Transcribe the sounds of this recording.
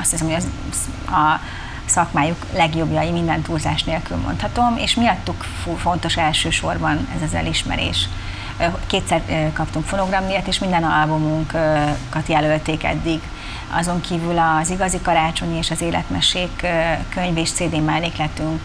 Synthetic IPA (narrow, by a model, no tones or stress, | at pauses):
ɒst̪hisɛmoz | ɒ | sɒkmaːjuklɛɡjo̞bjɒjimind̪ɛnt̪uːlzaːʃneːlkylmo̞̰nt̪hɒt̪o̞mḛːʃmiɒt̪ːuk | fo̞nt̪o̞ʃɛlʃøːʃo̞rbɒnɛ̰zɛzɛ̰liʃmɛ̰ɾḛːʃ | keːt̪sɛrkɒpt̪uŋkfo̞no̞ɡrɒmyjɛt̪eːʃmind̪ɛnɒlbumuŋkkɒt̪jɛlø̞lt̪eːkɛ̰d̪ːiɡ | ɒ̰zo̞ŋkʰiːvylɒziɡɒzikɒɾaːt͡ʃo̞ɲieːʃɒzeːlʔɛ̰t̪mɛʃeːkːøɲveːʃt̪seːd̪eːmɛlleːklɛt̪yŋk